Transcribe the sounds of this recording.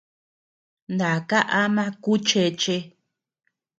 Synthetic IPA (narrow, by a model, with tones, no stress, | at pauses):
nd̪a˨ka˦ʔa˦mã˦ku˦t͡ʃe˧t͡ʃe˧˦